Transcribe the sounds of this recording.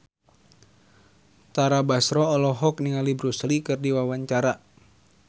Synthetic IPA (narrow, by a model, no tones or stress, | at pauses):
t̪aɾabasɾɔːlɔɦɔk̚niŋalibɾuslikɨrdiwawaɲt͡ʃaɾa